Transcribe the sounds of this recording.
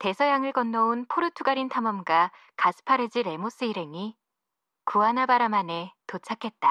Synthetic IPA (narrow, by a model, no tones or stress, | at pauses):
te̞sʰʌjaŋɯɭkʌnːʌunpʰoɾɯtʰuɡaɾintʰamʌmɡa | kasʰɯ̥pʰaɾɯd͡ʑiɾe̞mos͈ɯiɾe̞ŋi | kuanabaɾamane̞tot͡ɕʰakʰe̞t̚t͈a